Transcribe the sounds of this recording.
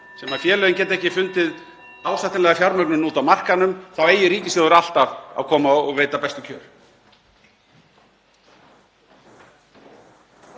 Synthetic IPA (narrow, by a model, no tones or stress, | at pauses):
sɛːmḁfjɛːlʏðɪncɛːt̪ɛhcɪfʏnt̪ɪð | aːwsajht̪ɪnlɛɣafjaɾmœknʏmnuːt̪awmar̥kanʏmθaweːjɪɾiːcɪsɪðʏɾal̥t̪ava̰kʰɔːmaɔɣveːjt̪apɛst̪ʏcʰœːɾ̥